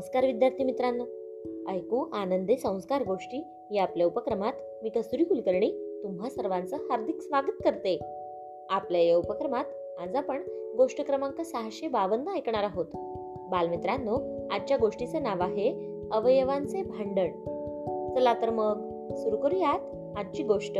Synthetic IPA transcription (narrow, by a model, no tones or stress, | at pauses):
ə̃skaɾʋid̪jaɾt̪ʰimit̪ɾanːə | əjkuʔanənd̪esə̃w̃skaɾɡoʂʈiː | jeapljaupəkɾəmat̪ | miːkəsuɾikulkəɾɳiːt̪umɦasəɾʋant͡səhaɾd̪ʱiksʋaɡət̪̚kəɾt̪e | apljajeupəkɾəmat̪ | ad͡zapəɳɡoʂʈəkɾəmãŋkasaɦaɕebaʋənd̪ʱəajkɳ̃aɾaɦot̪ | balmit̪ɾãnːoad̪̚t͡ɕjaɡoʂʈit͡senaʋaɦe | əʋəjəʋãnt͡sebʱaɳɖəɳ | t͡səlat̪əɾməɡ | suɾukəɾijat̪ | ad̪̚t͡ɕiːɡoʂʈə